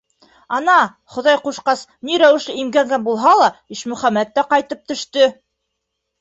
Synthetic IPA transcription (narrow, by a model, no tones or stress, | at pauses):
ɑnɑ | χŏðɑjquʃqɑsniɾæwɘ̆ʃlɘimɡæŋɡænbulˠɦɑlˠɑiʃmɵ̆χæmæt̪ːæqɑjt̪ɤp̚t̪ɵ̆ʃt̪ɵ